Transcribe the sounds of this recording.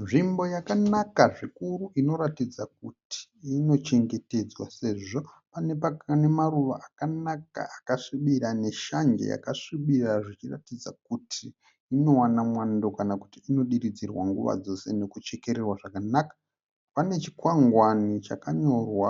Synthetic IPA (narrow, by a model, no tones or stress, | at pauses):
nʐimbo̞jakanakaʐikuruʔino̞ɾatid͡zak̚uti̥ːno̞t͡ʃe̞ŋɡe̞te̞d͡zwase̞ʐo̞ | pane̞pane̞maɾuʋaʔakanaka̰ʔakaʂiɓiɾane̞ʃaɲd͡ʒḛja̰kaʂiɓiraʐit͡ʃira̰tid͡za̰k̚utʰiː | no̞wanamwando̞kanaku̥tiːno̞ɗiɾid͡zirwa̰ŋɡuʋa̰d͡zo̞se̞ne̞kut͡ʃe̞ke̞ɾerwaʐakanakḁ | pane̞t͡ʃi̥kwaŋɡwanit͡ʃakaɲo̞rwa